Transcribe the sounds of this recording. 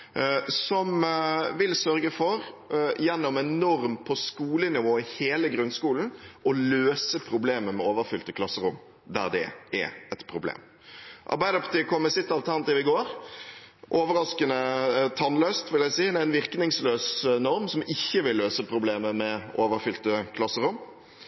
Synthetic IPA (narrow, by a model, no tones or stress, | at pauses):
sɔmʋɪlsœɾɡəfɔɾjɛnːɔmɛnɔɾmpʰɔskuːlənɪʋoːɪheːləɡɾʉnskuːln̩ɔløːsəpʰɾʊbleːməmɛoːʋəɾfʏlt̪əkʰlɑsːəɾʊm | d̪æ̰ɾd̪ɛ̰ʔɛ̰ɛt̪pʰɾʊblḛːm | ʔɑ̰ɾbæɪd̪əpʰɑt̪iːkʰɔmːəsɪt̪ːɑlt̪ʰæʁnɑt̪iʋɪɡoːɾ | ʔoːʋəɾɑskənət̪ʰɑnløːst̪ʋɪljæɪsiːæɪnʋɪɾknɪŋsløːsnɔɾmsɔmɪçːəʋɪlːøːsəpʰɾʊbleːməmɛʔoːʋəɾfʏlt̪əkʰlɑsːəɾʊm